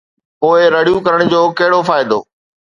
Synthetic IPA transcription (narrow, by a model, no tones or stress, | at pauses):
poːɪɾɐɽijukɐɾəɽ̃d͡ʑoːkɐɦɪɽofaːɪd̪o̰ː